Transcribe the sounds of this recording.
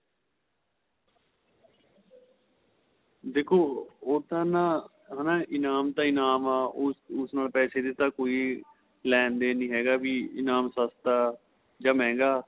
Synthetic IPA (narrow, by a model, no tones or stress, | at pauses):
d̪eːkʰoːoːt̪aːnaː | ɦaːnãːɪnaːmt̪aːɪnaːmaːʊsnaːlpɛːseːd̪ɪt̪ãːkoːiː | lɛ̃ːnd̪eːnĩːɦɛːɡaːbiːɪnaːmsast̪aː | d͡ʒãːmɛ̃ːŋɡaː